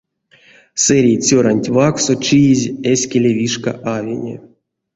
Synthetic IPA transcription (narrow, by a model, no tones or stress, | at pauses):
sɛɾʲejt͡sʲoɾanʲtʲvaksot͡ʃijizʲesʲkʲelʲevʲiʂka̰ʔavʲḛnʲḛ